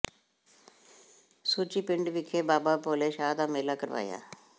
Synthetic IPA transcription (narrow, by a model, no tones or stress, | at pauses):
suːt͡ʃiːpɪɳɖʋɪkʰːeːbaːbaːpoːleːʃaːd̪aːmeːlaːkəɾʋa̰ːja̰ː